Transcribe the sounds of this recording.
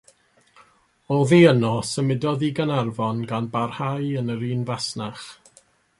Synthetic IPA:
ɔlˠðiːənɔsəmɪdɔðiɡənarvɔnɡanbarhajənəɾiːnvasnaχ

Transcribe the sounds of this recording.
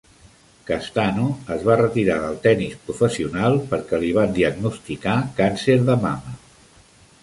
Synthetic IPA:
kast̪anuəzβarət̪iɾaðəlˠt̪ɛnispɾufəsiunalˠpəɾkɛliβ̞and̪iəɡnust̪ikakanseɾðəmamə

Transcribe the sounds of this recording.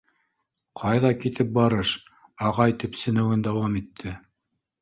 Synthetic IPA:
qʰɑjðɑkit̪ɘp̚bɑɾɤʃ | ɑʁɑjt̪ipsɘ̆nɘ̆wɘnd̪æwɑmit̪ʰːɘ

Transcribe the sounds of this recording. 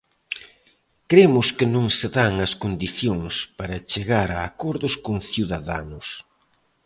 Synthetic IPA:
kɾemʊskɪnõŋseðaŋɐskond̪iθjoŋspaɾɐt͡ʃeɣaɾɐːkɔɾðʊskoŋθjuðaða̰nʊs

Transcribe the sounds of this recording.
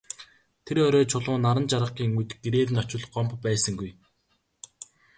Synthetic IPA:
t̪ʰeɾœɾɔːt͡ɕʰʊɮʊːnaɾə̆nt͡ɕaɾə̆qɡiːŋut̪ɡ̥eɾeːɾɘ̆nɔt͡ɕɪ̆ɮɢɔmppːæːsə̆ŋɡuj

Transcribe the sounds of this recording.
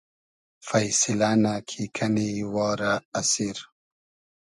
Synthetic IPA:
fajsɪlanakʰikʰaniwɔːɾaːsiɾ

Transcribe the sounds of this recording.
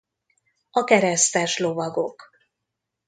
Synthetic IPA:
ɒkɛɾɛst̪ɛʃlo̞vɒɡo̞k

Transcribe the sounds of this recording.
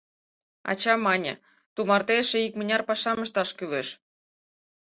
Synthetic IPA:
ɑ̰t͡ɕɑmɑnʲḛ | t̪umɑrt̪eʃeikmə̆nʲɑrpɑʃɑmə̆ʃt̪ɑʃkyleʃ

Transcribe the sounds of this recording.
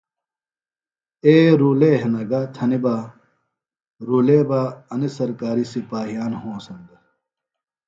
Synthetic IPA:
eːɾuːleɦenɐɡat̪ʰɐniba | ɾuːleːbaɐnisɐɾkaːɾisipaːɦijaːnhõːsɐnd̪ɐ

